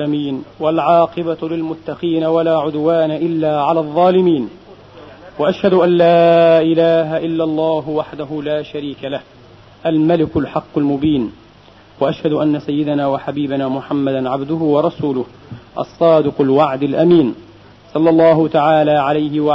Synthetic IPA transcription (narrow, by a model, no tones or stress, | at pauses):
amiːnwalʕɑːqɨbalɪlmʊt̪ːɑqiːnawalaːʕʊd̪waːnaʔɪlːaːʕalaːðˤːɑːlɪmiːn | waʔaʃhad̪ʊʔanːaːʔɪlaːɦaʔɪlːɑlˤːɑːɦʊwaħd̪aɦʊlaːʃaɾiːkalah | ʔalmalɪkʊlħɑqːʊlmʊbiːn | waʔaʃhad̪ʊʔanːasajːɪd̪anaːwaħabiːbanaːmʊħamːad̪anʕabd̪ʊɦʊwɑɾˤɑsuːlʊh | ʔɑ̰sˤːɑːd̪ɪqʊlwaʕd̪alʔamiːn | sˤɑlːɑlˤːɑːɦʊt̪aʕaːlaːʕalajhɪw